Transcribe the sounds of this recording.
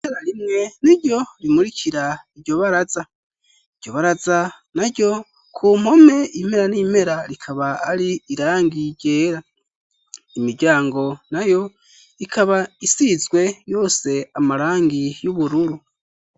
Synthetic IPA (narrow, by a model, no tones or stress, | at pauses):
ieɾaɾimŋe̞niɾɟo̞ɾimuɾicʰiɾaiɾɟo̞βaɾaza | iɟ̥ɟ̥o̞βaɾaza | naɾɟo̞ | kʰuːm̥ho̞me̞im̥e̞ɾanim̥e̞ɾaɾikʰaβaːɾiːɾaːŋɡiɾɟe̞ːɾa | imiɾɟaːŋɡo̞najo̞ | ikʰaβaisizɡwe̞jo̞ːse̞amaɾaːŋɡijuβuɾuɾu